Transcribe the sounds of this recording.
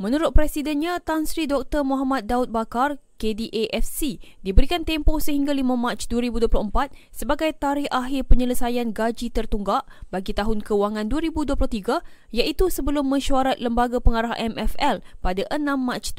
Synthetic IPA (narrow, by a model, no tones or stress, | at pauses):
mə̃nuɾʊt̪̚pɾɛsidɛnɲãt̪ansɾidɔk̚t̪ərmõɦamat̪̚daʊt̪̚bakarkediʔeʔɛfsidibəɾikant̪emposəɦiŋɡalimãmãt͡ʃduəɾibuduəplʊhəmpat̪̚səbaɡajt̪aɾɪhʔaɦɪrpəɲələsajanɡad͡ʒit̪ərt̪uŋɡaʔbaɡit̪aɦʊnkəuwaŋãnduəɾibuduwəplʊht̪iɡajaʔit̪usəbəlʊmːə̃ʃuaɾat̪̚ləmbaɡapəŋaɾaɦʔɛmɛfɛlpadaʔənãmːat͡ʃ̪